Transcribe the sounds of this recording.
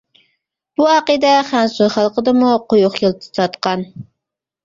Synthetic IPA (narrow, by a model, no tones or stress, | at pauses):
b̥uɑqəd̪ɛχænsuχælˠqəd̪ɨmuqʰojuχjɨlˠt̪ʰɨ̥t̪ʰɑt̪qɑn